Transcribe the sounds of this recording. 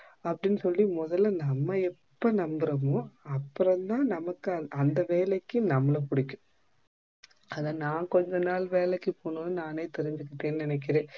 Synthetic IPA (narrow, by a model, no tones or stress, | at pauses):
ɐpːɐɽɪnːɯsɔlːimɔðɐlːɐnɐmːɐɛpːɐnɐmbɐɾɐmõɐpːɯɾɐ̃nt̪ãːnɐmɐkːɯɐɐnd̪ɐʋeːlɛkːɯnɐmːɐlɐpʊɽɪkʲːʊ̥ | ɐðãːnaːkɔɲd͡ʒɐnaːlʋeːlɛkːɯpoːnonɯnaːneːt̪ɛɾɪɲd͡ʒɯkːɪʈːeːnːɯnɪnɛk̬ːɪɾẽː